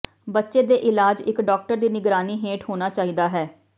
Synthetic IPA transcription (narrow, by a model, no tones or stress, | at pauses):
bətːʃeːd̪eːʔɪlaːd͡ʒɪkɖɔːk̚ʈəɾd̪iːnɪɡɾaːniːɦeːʈɦoːnaːt͡ʃaːiːd̪aːɦɛː